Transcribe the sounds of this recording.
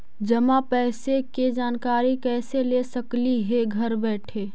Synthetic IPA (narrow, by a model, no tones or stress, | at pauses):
d͡ʒɐmapɛːseked͡ʒaːnkaːɾikɛːselesɐkliɦeɡʱɐɾbɛːʈʰeː